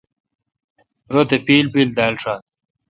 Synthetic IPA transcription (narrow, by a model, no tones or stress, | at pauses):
ɾod̪epiːlbild̪aːlʈ͡ʂaːt̪